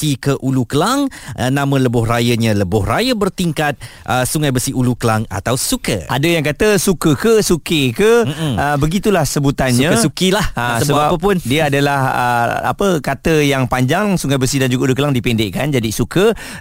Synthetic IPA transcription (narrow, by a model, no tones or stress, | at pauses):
ikəʔulukəlaŋʔənãmə̃ləbʊhrajəɲə̃ləbʊhrajəbərt̪iŋkat̪̚ʔəsuŋajbəsiʔulukəlaŋa̰t̪awsukə̰a̰dəjaŋkat̪əsukəkəsukikəəbəɡit̪ulahsəbut̪ansɲə̃ksukilahasəbəbapəpʊndiəadalahə̰a̰pəkat̪əjaŋpaɲd͡ʒaŋsuŋajbəsidand͡ʒuɡaulukəlaŋdipɛndɪʔkand͡ʒadisukə